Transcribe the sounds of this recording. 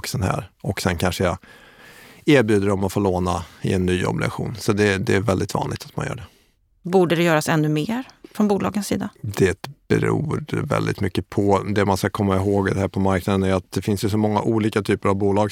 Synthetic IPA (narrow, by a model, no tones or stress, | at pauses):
ksɛnɦæ̰ːɾɔksɛnkʰanʂəja | eːɾbjʉːd̪əɖɔmɔt̪foːɭoːnaɪ̰ɛnːyːɔ̰blɪɡa̰ɧṵːnsɔd̪ɛd̪ɛːɾvɛld̪ɪt̪vɑ̰ːnlɪɡt̪ʰat̪manjœ̰ːɖɛ | buːɖəd̪ɛjœːɾasɛnːɵmeːɾfɾɔnbuːlɑ̰ːɡənsḭːd̪ad̪ɛt̪b̥ɛ̰ɾṵːvɛ̰ld̪ɪ̰t̪mʏkːəpʰɔd̪ɛmanskakʰɔmːaɪɦoːɡd̪ɛhæːɾpʰɔmaɾknad̪ənæjat̪̚d̪ɛfɪnsjɵs̬ɔmɔŋːa̰ʔuːliːkat̪ʰyːpəɾavbuːlɑːɡ